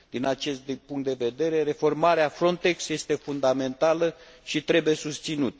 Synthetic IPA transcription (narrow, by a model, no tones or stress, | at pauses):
d̪inat͡ʃe̞st̪̚d̪puŋkt̪d̪e̞ve̞d̪e̞ɾe̞ɾe̞fo̞rmaɾeafɾo̞nt̪e̞ksje̞st̪e̞fund̪ame̞nt̪alə | ʃit̪ɾe̞buje̞sust̪sinut̪ə